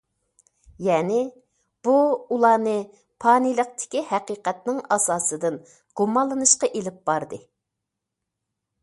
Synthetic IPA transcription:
jɛːnɪ | b̥uulˠɑːnɨ | pʰɑːnilˠəq̚t̪ʰɪ̥kʲihæqiːqɛt̪̚nɪŋɑsɑːsɨd̪ɨn | ɡ̥umɑlˠːɨnɨʃqɑʔelɪp̚b̥ɑɾd̪ɨ

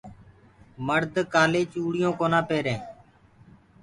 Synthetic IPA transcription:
məɾd̪kaːleːt͡ʃuːɽɪjõːkoːnãːpeːɾẽː

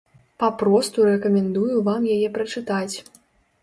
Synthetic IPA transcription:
papɾɔst̪uɾɛkɐmʲɛnd̪ujuvamjajɛpɾɐt͡ʂɨt̪at͡sʲ

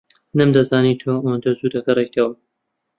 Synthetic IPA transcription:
nɨmd̪ɐzaːniːt̪ʰoːɐwand̪ɐzuːd̪ɐkɐrejt̪ʰɐwɐ

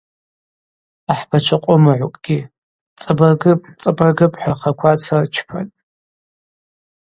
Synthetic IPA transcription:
aħb̥at͡ʃʷʰaqʷʼʊmɨʕʷʊkʼɡ̥ʲi | t͡sʼɨbɐrɡɨpʼt͡sʼɨbɐrɡɨpʼħaχʰakʷʰat͡sʰart͡ʃʰpʰa̰tʼ

